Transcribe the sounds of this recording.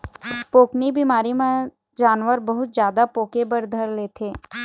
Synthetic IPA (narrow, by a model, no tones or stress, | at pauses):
poːknibimaːɾimẽ | d͡ʒaːnʋəɾbɐɦʊt̪zjaːd̪apoːkebəɾd̪ʱəɾleːt̪ʰeː